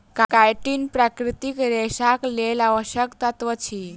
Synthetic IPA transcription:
kakajʈiːnpɾakɾit̪ikɾeɕaklelaʋəɕjəkt̪at̪ʋət͡ɕʰi

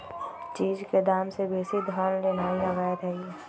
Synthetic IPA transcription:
t͡ʃiːd͡ʒked̪aːmsebeːsid̪ʱɔːnleːnaːilɐɣaːjət̪ɦɛɛ

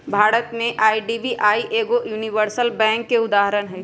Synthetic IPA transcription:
bʱaːɾət̪mẽʔaːiɖibiʔaːiʔeːɡojuːniʋəɾsəlbɛ̃ːŋkːeʊd̪aːɦəɾənɦɛː

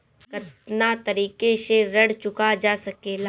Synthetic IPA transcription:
kɐt̪nat̪ɐɾiːkeseɾɐɽt͡ʃʊkad͡ʒaːsɐkeːla

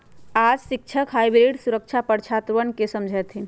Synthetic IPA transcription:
ad͡ʒsik̚t͡ʃʰəkɦajbɾiɖsuɾək̚t͡ʃʰapəɾt͡ʃʰat̪ʋənkesəmd͡ʒʱɛt̪ʰi

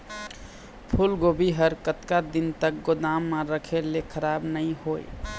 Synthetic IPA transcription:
pʰulɡobiɦəɾkət̪kad̪int̪ək̚ɡod̪amːãɾəkʰelekʰəɾabnəĩhoj̰

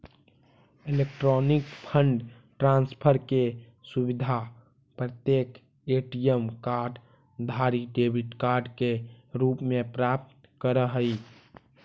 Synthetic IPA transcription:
ilekʈɾɔnikpʰəɳɖ | ʈɾãnspʰəɾke | subid̪ʱa | pɾət̪jek | eʈijəmkaɾɖ | d̪ʱaɾiɖebʱiʈkaɾɖkeɾupmepɾap̚tt̪ | kəɾəɦəi

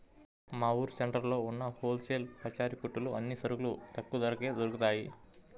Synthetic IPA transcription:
maːwuːɾseɳʈɐɾlo̞ːunːɐhoːlseːlpɐt͡ʃaːɾikuʈːuluɐnːisɐɾuɡulut̪ɐkːud̪ɐɾɐke̞ːd̪oɾukut̪aːji

